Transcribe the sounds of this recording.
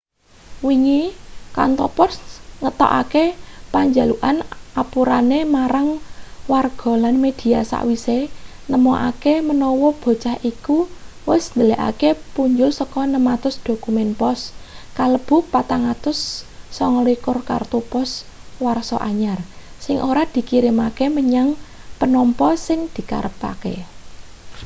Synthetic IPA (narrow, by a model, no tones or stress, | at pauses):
wiŋika̰nt̪ɔpɔsŋət̪ɔ̰ʔa̰kepaɲd͡ʒa̤luʔanʔapuɾanemaɾaŋwarɡ̥ɔ̤lanmed̪̥i̤asa̰ʔwise | nəmɔʔa̰kemənɔwɔb̥o̤t͡ʃahikuwɪsnd̪əlɛʔa̰kepuɲd͡ʒʊlsɔkɔnəmat̪ʊsd̪̥o̤kumɛnpɔskaləb̥ʊ̤hpat̪aŋat̪ʊsːɔŋlikʊrka̰rt̪opɔs | warsɔ̰ʔaɲarsɪŋʔoɾad̪̥i̤kiɾɪmakeməɲaŋpənɔmpɔsɪŋd̪̥i̤ka̰ɾəpa̰kḛ